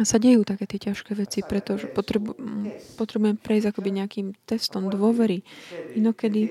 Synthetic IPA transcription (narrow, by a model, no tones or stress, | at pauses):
saɟɛjuːt̪akɛːt̪ɪɛcaʃkɛːʋɛt͡sipɾɛt̪ɔʒɛpɔt̪ɾɛbpɔt̪ɾɛbujɛmpɾɛizɟakɔbiɲɛakimt̪ɛst̪ɔmd̪ʋʊɔʋɛɾiinɔkɛd̪i